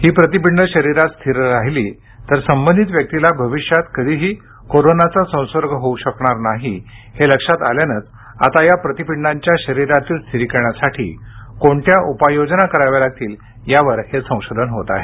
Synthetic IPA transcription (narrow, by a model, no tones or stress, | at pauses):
hiːpɾət̪ipiɳːəɕəɾiɾat̪st̪ʰiɾɾaɦiliː | t̪əɾsəmbənd̪ʱit̪ʋjək̚t̪ilabʱəʋiɕjat̪kəd̪ʱiːɦiː | koɾonat͡sasə̃w̃səɾɡʱəɦouɕəkɳaɾnaɦiheləkʂat̪aljanət͡s | a̰t̪ajapɾət̪ipiɳːaɲt͡ɕjaɕəɾiɾat̪iːlst̪ʰiɾiːkəɾɳjasaʈʰḭːkoɳʈ̪ʰjaʔupajod͡ʑnakəɾaʋalaɡ̚t̪iːl | jaʋəɾhesə̃w̃ɕod̪ʱənɦot̪a̰ɦe